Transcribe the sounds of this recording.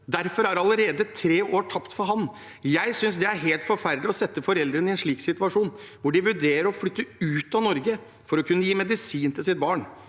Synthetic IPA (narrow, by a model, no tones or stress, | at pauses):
d̪æɾfɔɾæɾɑləɾeːd̪ət̪ʰɾeːʔoːʈʰɑpt̪fɔɾɦɑn | jæɪsʏnsd̪ɛæɾɦeːlt̪fɔɾfæɾd̪ɪɔsɛt̪ːəfɔɾɛld̪ɾənɪɛnʂɭiːksɪt̪ʉɑʂuːn | ʋʊɖɪʋʉɖeːɾəɾɔflʏt̪ːəʉːt̪ɑnɔɾɡə | fɔɾɔkʰʉnːəjiːmɛd̪ɪsiːnt̪ʰɪlsɪt̪̚bɑːɳ